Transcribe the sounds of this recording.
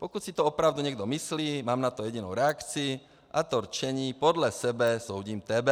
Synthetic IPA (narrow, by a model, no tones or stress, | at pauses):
pɔkucsit̪ɔɔpɾaʊd̪uɲɛɡ̚d̪ɔmisliːmaːmnat̪ɔjɛɟinuʊɾɛakt͡sii | ʔat̪ɔɾt͡ʃɛɲiːpɔd̪lasɛbɛsɔʊɟiːmt̪ɛbɛ